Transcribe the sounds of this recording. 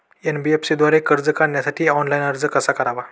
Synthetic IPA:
enbiepsid̪ʋaɾekəɾd͡zəkaɳjasaʈʰiːɔnlajnəɾd͡zəkəsakəɾaʋa

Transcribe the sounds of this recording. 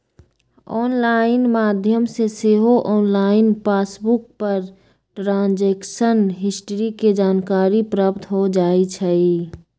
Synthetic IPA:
ɔːnlaːɪnmaːd̪ʱjəmseseɦoʔɔːnlaːɪnpaːsbʊk̚pəɾ | ʈɾãːnd͡ʒeːkʃənɦɪsʈəɾiked͡ʒaːnkaːɾipɾapt̪ʰɦod͡ʒaːit͡ʃʰɛi

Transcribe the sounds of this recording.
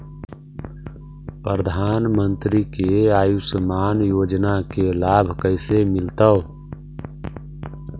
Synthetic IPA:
pɾəɾəd̪ʱaːnmənt̪ɾikeaːjusəmaːnjoːd͡ʒnakelaːbʱkəɪsemɪlt̪ə

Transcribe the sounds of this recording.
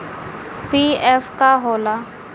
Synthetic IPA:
piːɛːfkaɦoːlaː

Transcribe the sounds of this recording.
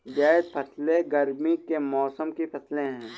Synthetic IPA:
d͡ʒaːɪd̪pʰɐsleɡɐɾmikemɔːsəmkipɐsleɦɛ̃ː

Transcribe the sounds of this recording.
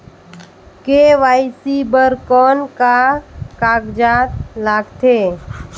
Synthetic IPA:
keʋaːɪsibəɾkɔːnkakaːɡd͡ʒaːt̪laːɡt̪ʰeː

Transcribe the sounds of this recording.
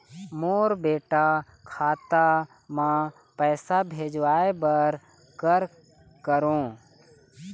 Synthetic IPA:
moːɾbeːʈa | kʰaːt̪a | mãː | pɛːsabʱeːd͡ʒʋaːebəɾ | kəɾ | kəɾõː

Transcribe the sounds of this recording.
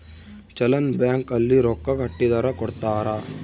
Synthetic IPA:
t͡ʃɐlɐnbjaːŋkɐlːiɾɔkːɐkɐʈːid̪ɐɾɐkɔɽt̪aːɾɐ

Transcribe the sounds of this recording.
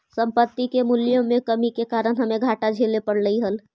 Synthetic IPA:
sə̃mpət̪ːikemuljõmẽkəmikekaːɾənɦəmẽɡʱaʈad͡ʒʱelepəɽləiɦəl

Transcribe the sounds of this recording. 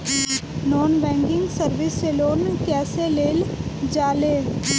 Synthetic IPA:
nɔːnbɛ̃ːŋɡɪŋɡsəɾʋɪseːloːnkɛːseːleːld͡ʒaːleː

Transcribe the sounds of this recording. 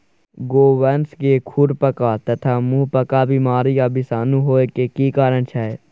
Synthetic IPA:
ɡoːʋɛːnsɡeːkʰʊɾpəkaːt̪ət̪ʰaːmũːpəkaːbiːmaːɾijaːbisaːnũːɦoːekeːkiːkaːɾəɳt͡ʃʰaːeː

